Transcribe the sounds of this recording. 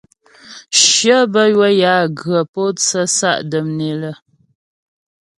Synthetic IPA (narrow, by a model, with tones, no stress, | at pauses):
ʃjə˦bə˦jwə˦ja˨˦ɡə˨po˦t͡sə˦sa̰˦˨ʔdə˨mne˨lə˦˨